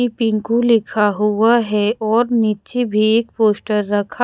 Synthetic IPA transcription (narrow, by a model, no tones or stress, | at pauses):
ipɪ̃ŋkũlɪkʰaɦʊaɦɛɔːɾniːt͡ʃebʱieːk̚poːsʈəɾːɐkʰa